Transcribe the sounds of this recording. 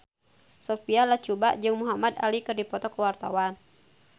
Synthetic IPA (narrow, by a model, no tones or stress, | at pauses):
sɔfialaht͡ʃubaʔd͡ʒɨŋmuɦamad̪a̰likɨrdipɔt̪ɔkəwart̪a̰wan